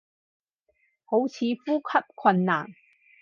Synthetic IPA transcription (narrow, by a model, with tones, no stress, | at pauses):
ho˨˥wt͡sʰiː˨˧fuː˥kʰɐ˥p̚kʷʰwɐ˧nːa̰ː˨˩ŋ